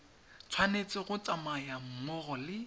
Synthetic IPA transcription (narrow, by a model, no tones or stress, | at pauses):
t͡sʰwanet͡sʼɪɣʊt͡sʼamajam̩mɔɣɔlɪ